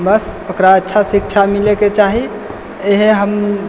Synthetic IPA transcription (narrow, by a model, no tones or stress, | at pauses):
bəsokɾaətːʃʰasikt͡ʃʰamileket͡ʃaɦi | eɦeɦəm